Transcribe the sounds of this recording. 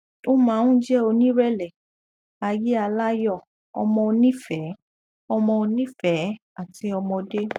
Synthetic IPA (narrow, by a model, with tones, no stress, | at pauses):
o˦mã˨˦nũ˦d͡ʒɛ˦o˧nĩ˦ɾɛ˦˨lɛ˨ | a˧je˦a˧la˦jɔ˦˨ | ɔ̰˧mɔ̃˧o˧nĩ˦fɛ˨˦ | ɔ˧mɔ̃˧o˧nĩ˦fɛ˨˦ | a˨ti˨˧˦ɔ˧mɔ̃˧de˦